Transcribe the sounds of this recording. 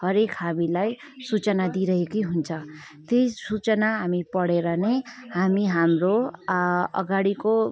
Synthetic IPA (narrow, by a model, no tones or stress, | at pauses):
hʌɾekɦamilaj | sut͡sʌnad̪iɾʌɦekʌjɦunt͡sʰʌ | t̪ejsut͡sʌnaɦamipʌɽeɾʌnejhamiɦamro | ʌ̰ɡaɽiko